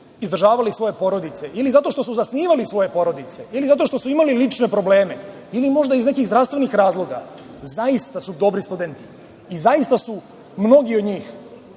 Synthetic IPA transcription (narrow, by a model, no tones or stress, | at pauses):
izd̪ɾ̩rʒaːʋalisʋo̞je̞po̞ɾod̪it̪se̞ilizat̪o̞ʃt̪o̞suzasniːʋalisʋo̞je̞po̞ɾo̞d̪it̪se̞ilizat̪o̞ʃt̪o̞suimalilit͡ʃne̞pɾo̞ble̞ːme | ilimo̞ʒd̪aizne̞kiɣzd̪ɾafst̪ʋe̞nixɾaːzlˠo̞ɡa̰ | zaist̪asud̪o̞bɾist̪ud̪e̞nt̪i̥ː | zaist̪asu | mno̞ɡiod̪ɲiːx